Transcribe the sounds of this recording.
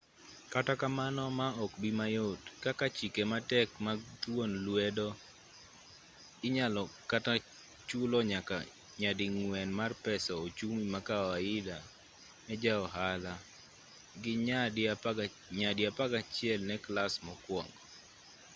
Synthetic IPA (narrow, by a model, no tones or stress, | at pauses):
katakamanɔmaɔkbimajotkakat͡ʃikematɛkmat̪wonlwɛdɔ | ɪɲalɔkata | t͡ʃulɔɲaka | ɲadɪŋwɛnmarpɛsɔot͡ʃumimakawaɪda | nɛd͡ʒaɔɦala | ɡɪɲa | ɲadjapaɡat͡ʃɪɛlnɛklasmɔkwɔŋɡ